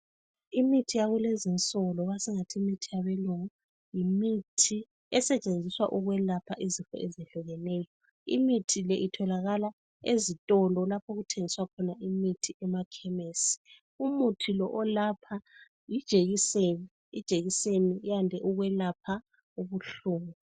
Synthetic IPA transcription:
imitʰijaβulezinsʼɔlɔβasɛŋatʰimitʰijaβɛluŋɔ | jimitʰi | ɛsɛt͡ʃʼend͡zʱiswa̰ʔuɣwɛlapʰaʔizifɔ̰ɛzɛɬuɣɛnɛjɔ | ḭmitʰilɛʔitʰɔlaɣala | ezitʼɔlɔlapʰoɣutʰeŋiswakʰɔnaʔimitʰiɛmakʰɛmeːsi̥ | umutʰilɔʔɔlapʰa | jid̥ʒ̥ʱeɣiseni | id̥ʒ̥ʱeɣisenijandʱɛʔuɣwɛlapʰa | uβuɬuːŋu

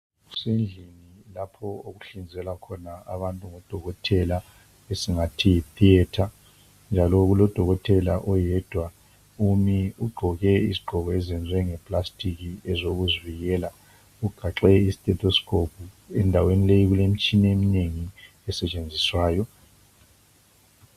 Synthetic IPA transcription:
usend͡ɮʱini | lapʰɔoɣuɬind͡zʱɛlakʰɔnaa̰βantʼuŋɔd̥ʱɔɣɔtʰɛla | esiŋatʰijit̪ʰiɛtʰa | nd͡ʒʱalɔɣulɔd̥ʱɔɣɔtʰɛlaʔɔjɛd̥ʱwa | umiuɡ͡ǃʱɔɣɛiziɡ͡ǃʱɔɣɔɛzɛnd͡zʱwɛŋɛpʰʼlastʰʼiɣiɛzoɣuziviɣɛːla | uɡ̥ʱaǁɛizitʼɛtʰʼɔskʰʼopʰuɛndʱawenilejiɣulem̩t͡ʃʼinemineŋi | ɛsɛt͡ʃʼend͡zʱiswaːjɔ

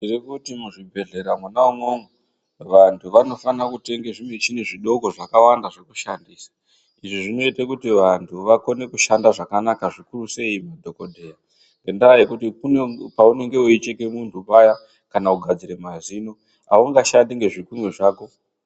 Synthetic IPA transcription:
irikutimuʐibʱe̞ɮe̞ɾamwanaumwoŋu | ʋantʰuʋano̞fanakute̞ŋɡeʐimwet͡ʃineʐiɗo̞ko̞ʐakawandaʐekuʃandiːsḁ | iʐiʐino̞itakutiʋantʰuʋako̞ne̞kuʃandaʐakanakaʐikuruse̞imudʱokodʱe̞ja | ŋɡe̞ndajekutikunepaune̞ŋɡe̞uit͡ʃeke̞muntʰupaja | kanauɡʱad͡ziɾe̞mazino̞ | a̰oŋɡaʃandiŋɡe̞ʐikumweʐaːko̞

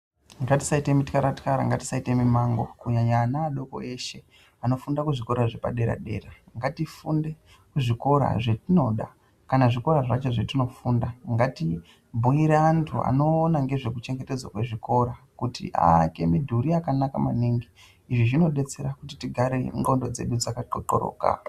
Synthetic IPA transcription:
ŋɡati̥saite̞mitkaɾatkaɾa̰ŋɡati̥saite̞mimaŋɡo̞kuɲaɲaːnaːɗo̞ko̞̰e̞ʃe̞ | ano̞fundakuʐiko̞ɾaʐepa̰ɗe̞ɾa̰ɗe̞̰ːra | ŋɡatifunde̞ | kuʐiko̞ɾa̰ʐe̞tino̞ɗa̰ | kanaʐiko̞ɾaʐat͡ʃoʐe̞tino̞fundaŋɡati | bʱuiɾeantʰua̰no̞ːnaŋɡe̞ʐe̞kut͡ʃe̞ŋɡe̞te̞d͡zwa̰kwe̞ʐiko̞ɾa | kutḭʔa̰ke̞midʱuɾiakanakamaniŋɡi | iʐiʐino̞ɗe̞t͡se̞ɾakutitiɡʱaɾḛŋɡo̞ndo̞d͡ze̞̰ɗud͡zakaǃoǃo̰ɾo̰ːka̰

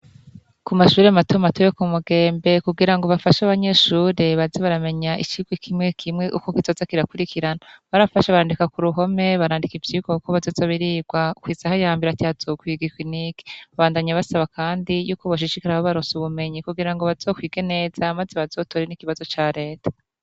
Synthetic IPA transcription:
kumaʃuːɾeamatomatojokumuɡe̞ːmbe̞kuɡiɾaŋɡo̞βafaʃaβaɲe̞ʃuːɾeβazeβaɾame̞ɲaʔḭt͡ʃiɡwekʰimŋe̞kʰimŋe̞ʔṵkokiz̥o̞zakiɾakuɾikiɾanaβaɾafaʃaβaɾaːndikakuɾuɦo̞me̞βaɾaːndikivjiuɡoukoβazozaβiɾiːɡwakwiːzahajaːmbiɾatiaz̥okwiːɡikwiniki̥aβaːndaɲaβasaβakaːndijuːkoβoʃ̬iʃikaɾaβoβaɾosuβume̞ɲikuɡiɾaŋɡo̞βazo̞ːkwiːɡene̞z̥amazeβazo̞ːtoɾinikiβazo̞t͡ʃaːɾe̞ːtʰḁ

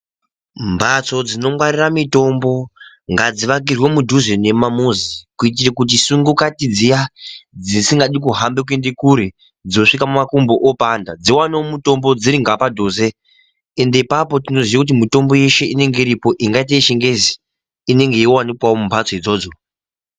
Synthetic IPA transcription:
mbʱat͡so̞d͡zino̞mwariramito̞mbo̞ | ŋɡad͡ziʋakirwe̞mudʱuzenemamuzikuit̬irekut̬isuŋɡukatid͡zijad͡zisiŋɡaɗik̬uɦambek̬ue̞nde̞kuɾe | d͡zio̞ʂikamumakumboʔopandad͡ziwanoomuto̞mbo̞d͡ziɾiŋɡapadʱo̞ːze̞ | ende̞ipapo̞tino̞ziakut̬imito̞mbo̞je̞ʃe̞ʔine̞ŋɡeiɾipo̞ʔiŋɡait̬eiʃeŋɡe̞zi | ine̞ŋɡe̞iwanikwawomumbʰʱat͡so̞id͡zo̞ːd͡zo

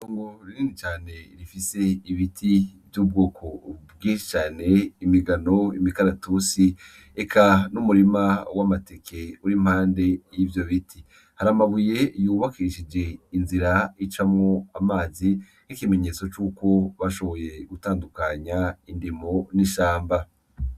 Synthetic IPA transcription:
oːŋɡoɾiɾiːnit͡ʃaːne̞ɾifise̞iβitʰivjub̚ɡoːkʰobɡiːnʃi̥t͡ʃaːne̞imiɡano̞ḭmikaɾatusi | ekʰanumuɾimawamatekʰe̞uɾimhaːnde̞jivjo̞βitʰi | haɾamaβuje̞juːβakiɾiʃid͡ʒe̞inziɾait͡ʃamŋo̞amaːzi | nikime̞ɲe̞ːt͡so̞t͡ʃuːko̞βaʃo̞βo̞je̞ɡutaːndukaɲaindimo̞niʃaːmba

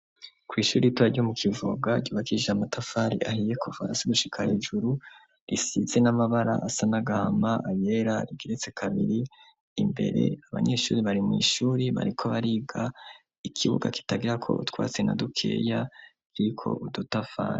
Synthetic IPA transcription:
kwiːʃuːɾiituβaɾɟomukʰivoɡaɟuːβakid͡ʒiamatafaɾḭʔahije̞kʰofaɾã̰ːsiduʃikʰaheʒuɾu | ɾisize̞namaβaɾa̰ʔasanaɡahamaʔaje̞ɾaɾiɡeɾet͡se̞kʰaβḭɾiː | mbe̞̰ɾe̞̰aβa̰ɲe̞ʃṵːɾiβaɾimŋḭːʃuːɾiβa̰ɾikʰo̞βaɾiːɡa | ikʰiβṵɡa̰ki̥taɡiɾakʰo̞̰ṵtwa̰ːt͡se̞na̰dukʰe̞̰ːja | ɾiikʰo̞̰ʔudutafa̰ːɾi

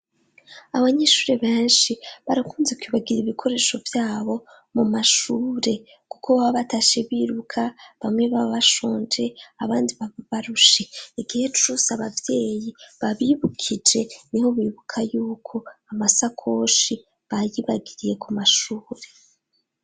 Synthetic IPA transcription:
aβaɲeʃu̥ːɾe̞βeːnʃiβaɾakuːnzekwiːβaɡiɾiβikʰo̞ɾe̞ːʃo̞vjaːβo̞ | mumaʃuːɾe̞ | kukoβaβaβataʃe̞βiːɾukʰaβamŋe̞βaβaʃoːnd͡ʒe̞aβaːndiβaβaɾuʃe̞eɡihe̞tu̥ɾusaβavje̞ːjiβaβiβukʰid͡ʒe̞niho̞βiːβukʰajuːkʰo̞amasakʰo̞ʃi | βajiβaɡiɾije̞kʰumaʃuːɾe̞

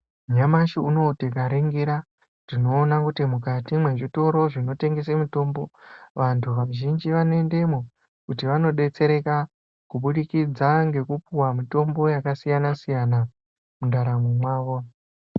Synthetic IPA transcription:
ɲamaʃiuno̞tekaɾeŋɡeɾa | rino̞ːnakutimukatimwe̞ʐito̞ɾo̞ʐino̞te̞ŋɡe̞semito̞mboʋantʰuʋaʒind͡ʒiʋane̞nde̞mo | kutiʋano̞ɗe̞t͡se̞ɾe̞ka | kuɓuɗikid͡zaŋɡe̞kupuwamito̞mbo̞jakasijanasijana | mundaɾamwemwaːʋo

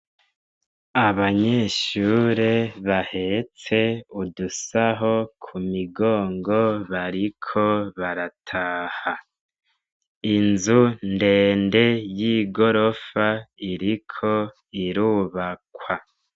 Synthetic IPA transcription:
aβaɲeːʃuːɾeβahe̞t͡se̞udusaɦo̞kʰumiɡo̞ːŋɡo̞βaɾikʰo̞βaɾatʰaːha | inzundeːnde̞jiɡo̞ɾo̞faiɾikʰo̞ | iɾuːβakwa

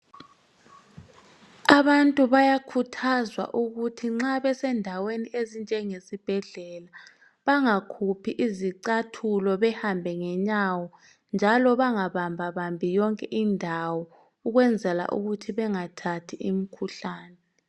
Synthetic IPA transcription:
aβantʼuβajakʰutʰazwa̰ʔuɣutʰiŋ͡ǁaβɛsɛndʱaweniʔezind͡ʒʱɛŋesib̥ʱɛɮɛla | βaŋakʰupʰiʔiziǀatʰulɔβɛhambʱɛŋɛɲawɔ | nd͡ʒʱalɔβaŋaβambʱaβambʱijɔŋkʼɛʔindʱawɔ | uɣwɛnd͡zʱɛla̰ʔṵɣutʰiβɛŋatʰatʰiim̩kʰuɬaːnɛ

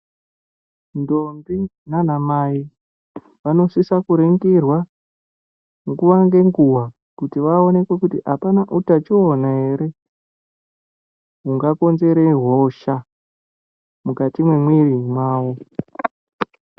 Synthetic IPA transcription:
ndombi | nanamai | ʋano̞ʂisakuɾeŋɡirwa | ŋɡuʋaŋɡe̞ŋɡuwa | kutiʋaone̞kwe̞kutiʔapanaʔutat͡ʃionae̞ɾe̞ | uŋɡako̞nze̞ɾeɦo̞ʃa | mukatimwemwirimwaːwo̞

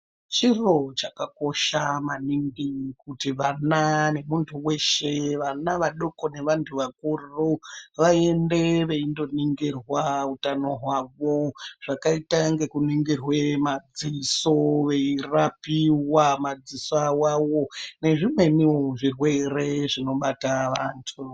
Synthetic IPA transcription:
t͡ʃiro̞t͡ʃakako̞ʃamaniŋɡikutiʋanane̞muntʰuwe̞ʃe̞ʋanaʋaɗoko̞ne̞ʋantʰuʋakurruʋae̞nde̞ʋe̞indo̞niŋɡirwautano̞ɦwaʋoʐ̥akaitaŋɡe̞kuniŋɡirwemad͡ziso̞ʋe̞irapiwamad͡zisawawone̞ʐimwe̞nioʐirwe̞re̞ʐino̞ɓataʋantʰu

